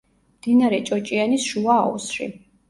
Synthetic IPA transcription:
md̪̥inaɾɛt͡ʃʼɔt͡ʃʼianisʃuaːṵsɾḭ

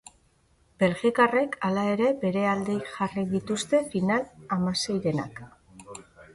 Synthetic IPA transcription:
be̞lɣikare̞kalae̞ɾe̞be̞ɾe̞ald̪e̞jʝariðit̪ust̪e̞finalamase̞jɾe̞na̰k

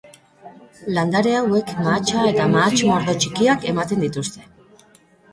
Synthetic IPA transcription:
land̪aɾe̞awe̞kmat͡ʃae̞t̪amaːt͡ʃmo̞ɾðo̞t͡ʃikiake̞mat̪e̞nd̪it̪ust̪e̞̥

